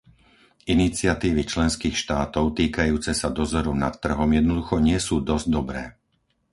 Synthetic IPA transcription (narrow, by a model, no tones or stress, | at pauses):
ʔinit͡sɪat̪iːʋit͡ʃlɛnskiːxʃt̪aːt̪ɔʊt̪iːkajuːt͡sɛsad̪ɔzɔɾɔna̰t̪ːr̩ɦɔmjɛd̪̚nɔd̪uxɔɲɪɛsuːd̪ɔzɟd̪ɔbɾɛː